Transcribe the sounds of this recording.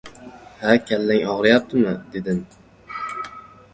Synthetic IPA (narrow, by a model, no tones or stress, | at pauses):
hakʲʰalːaŋɒʁɾajap̚t̪ʰɪmɪd̪̥e̞d̪ɪm